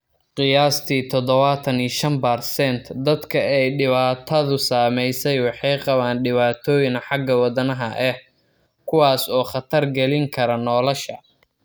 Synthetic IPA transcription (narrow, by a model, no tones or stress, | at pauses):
qɪjaːst̪ʰiːt̪ʰɔd̪ɔβɐt̪ʰɐniːʃɐnbɐrsɛnt̪ʰd̪ɐd̪kʰɐɛjɖɪβaːt̪ʰɐðʊsaːmɛjsɛjwɑħɑjqɑβaːnɖɪβaːt̪ʰɔːjɪnħɑɡɐwɑd̪ɐnɐɦɐʔɛh | kʰʊwaːsɔːχɑt̪ʰɐrɡɛlɪŋkʰɐɾɐnɔːlɔʃɐ